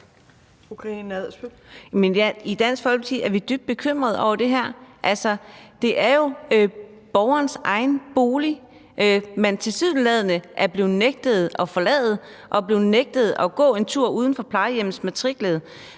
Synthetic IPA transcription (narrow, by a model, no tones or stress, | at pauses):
okʰenɛð̩ˠsb̥ølmenæid̥æn̰sɡ̥fɒ̽lʰt͡sʰiæɐʋid̥yb̥̚d̥̚b̥e̝kʰøm̰ʁɐð̞ˠɒ̰ʊ̰ɐd̥e̝ɦæɐ̰ʔælsɒd̥e̝ʔæɐjo̝ | b̥ɒʊɐːnsʔɑ̈ɪnb̥o̝ːli | ment͡sʰe̝lsið̞̰ˠn̩lɛð̞ˠənəʔæɐb̥le̝ːð̩ˠneɡ̥̚d̥əð̞̩ˠɒ̽fɒ̽lɛ̰ːð̩ˠ | ʔɒ̽b̥le̝ːð̩ˠneɡ̥̚d̥əð̞̩ˠɒ̽ɡ̥ɔ̰̽ːe̝nt͡sʰuɐ̰uːð̞ˠn̩fɒ̽pʰlɑ̈ɪəjem̰n̩smæt͡sʰʁiɡ̥leð̩ˠ